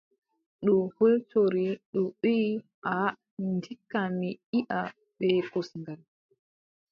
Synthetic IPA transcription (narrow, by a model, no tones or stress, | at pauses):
ɗuholtoɾiɗuɓiʔaa | mindikːamiiʔa | ɓɛkosŋɡal